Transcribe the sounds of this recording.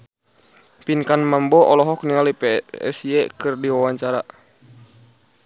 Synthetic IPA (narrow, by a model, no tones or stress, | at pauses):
pinkanmambɔʔɔlɔɦɔk̚niŋalipɛɛ̰siɛkɨrdiwawaɲt͡ʃaɾa